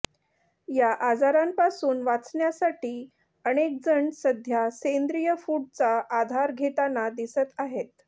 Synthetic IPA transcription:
jaʔad͡zaɾampasuːnʋat͡sɳjasaʈiː | əɽ̃ek̚d͡zəɳsəd̪ʱjasend̪ɾijəfuɽ̚t͡saʔːd̪ʱaɾɡʱet̪anad̪isət̪aɦet̪

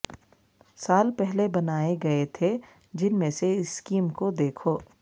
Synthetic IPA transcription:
saːlpɛɦlebɐnaːeɡɐet̪ʰe | d͡ʒɪnmẽseɪskiːmkod̪eːkʰoː

